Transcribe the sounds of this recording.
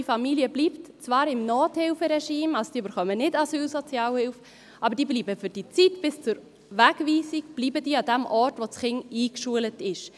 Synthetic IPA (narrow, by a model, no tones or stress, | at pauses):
ifɑmiliəbliːptt͡svɑːɾɪmnɔːthɪlfəɾɛʃiːmalsod̥iːbəɾχœmənɪdɑsyːlsɔt͡sjɑːlhɪlf | ʔɑbəɾd̥iːbliːbəfʏɾd̥it͡sitb̥ɪst͡sʊɾ | ʋæɡviːsik̚b̥liːbəd̥iːɑdɛmʔɔrtʋot͡sχɪŋiːkʃuələtɪʃ